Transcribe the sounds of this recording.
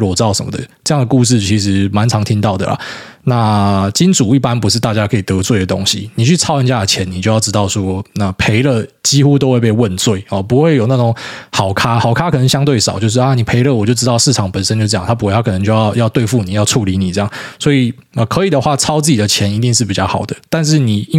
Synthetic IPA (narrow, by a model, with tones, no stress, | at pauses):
ɑ˥˩ʊʂə̰˧˦mə̰˩d̪ə̰˩ʈ͡ʂɤ˥˧jŋd̪ə˩ku˥˧ʂ̬ɻ̩˥˩t͡ɕʰi˧˥ʂ̬ɻ̩˧˥ma˧˦nt͡sʰɑ˧˥ŋt̪ʰi˥ŋt̪ɑ˥˨˩ʊd̪ə̰˩lɐ̰˩na˥˧t͡ɕi˥nt͡su˨˩i˥˩pa˦npu˧˥ʂɻ̩˥˧t̪a˥˩t͡ɕja˦˥kʰɤ˧˥i˨˩t̪ɤ˧˦t͡swe˥˩ɪd̪ə˩t̪o̰˥ŋɕḭ˧ni˨˩t͡ɕʰy˥˩t͡sʰɑ˥ʊə˧nt͡ɕja˥˩ə˩t͡ɕʰjɛ˧˦ni˨t͡ɕo˥˧ʊjɑ˥˩ʈ͡ʂ̩ɻ̩˥t̪ɑ˥˨˩ʊʂwɔ˥na˥˩pʰe˧˥ɪlə˥˧t͡ɕi˥xu˥t̪o˥ʊxwe˥˧ɪpe˥˧ɪwə˥˧nt͡swe˥˩ɪɔ˨˩pu˧˥xwe˥˩ɪjo˨˩ʊna˥˩ʈ͡ʂo˧˦ŋxɑ˨˩ʊkʰa˥xɑ˨˩ʊkʰa˥kʰɤ˨˩nə˧˦ŋɕjɑ˥ŋt̪we˥˩ɪʂɑ˨˦ʊt͡ɕjo˥˧ʊʂ̬̩˥˩a˧˩ni˨˩pʰe˧˥ɪlə˥˧˨wɔ˨˩t͡ɕjo˥˧ʊʈ͡ʂɻ̩˥t̪ɑ˥ʊʂɻ̩˥˩ʈ͡ʂʰɑ˨˩ŋpə˨˩nsə˥nt͡ɕj̬̩˥˧˥jɑ̰˥˨˩t̪ʰa˥p̬u˧˥˧a˥kɤ˨˩nə˧˦ŋt͡ɕjo˥˧jɑ˥˧ʊjɑ˥˧ʊt̪we˥˧ɪfu˥˩ni˨˩jɑ˥˧ʊʈ͡ʂʰu˥˩li˧˥ni˨˩t͡sɤ˥˧jɑ˥˩ŋswɔ˧˥i˨˩ | ə˨˩kʰɤ˧˦˥i˨˩d̪ə˩˦xwa˥˩t͡sʰɑ˥ʊt͡s̩˥˩t͡ɕi˨d̪ə˩˦t͡ɕʰjɛ˧˥ni˧˥t̪i˥˧ŋʂ̬ɻ̩˥˩pi˨˩t͡ɕjɑ˥˩xɑ̰˨˩ʊd̪ə˦t̪a˥˧nʂ̬ɻ̩˥˩ni˨˩˥